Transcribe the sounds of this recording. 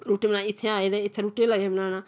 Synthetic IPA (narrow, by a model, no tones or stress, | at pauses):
ɾuːʈeːmnãːɪt̪ʰːeaːeːd̪eːɪt̪ʰːeːɾuːʈeːlaːemɪlaːnaː